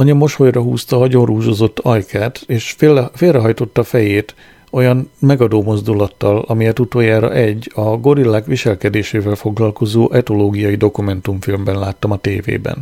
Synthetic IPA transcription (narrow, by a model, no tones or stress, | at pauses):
ɒɲɒmo̞ʃhojrɒɦṵːst̪ɒɦɒɟo̞nruːzo̞ːzo̞t̪ːɒjkʰaːt̪eːʃfeːlrɛɦɒjt̪o̞t̪ːɒfɛjeːt̪ | o̞jɒnmɛɡɒd̪oːmo̞zd̪ulɒt̪ːɒlɒmijɛt̪ut̪oːjaːɾɒ̰ʔɛɟːɒɡo̞ɾilːaːkʋiʃɛlkɛd̪eːʃeːvɛlfo̞ɡlɒlko̞zoːʔɛt̪o̞loːɡijɒjid̪o̞kumɛnt̪umfilmbɛnlaːt̪ːɒmɒt̪ḛːvḛːbɛ̰n